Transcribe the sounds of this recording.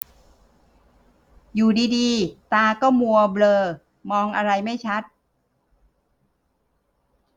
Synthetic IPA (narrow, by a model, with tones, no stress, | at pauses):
juː˨˩diː˧diː˧t̪aː˧kɔː˥˩mu˧ɐblɤː˧ | mɔː˧ŋʔa˧ɾa˧jma˥˩jt͡ɕʰa˦˥t̪̚